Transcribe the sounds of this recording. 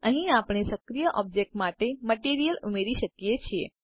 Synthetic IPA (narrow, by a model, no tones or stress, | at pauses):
əɦĩapɳ̃esəkɾijəʔɔb̚d͡ʒek̚ʈmaʈeməʈiɾijəlumeɾiʃəkjet͡ʃʰie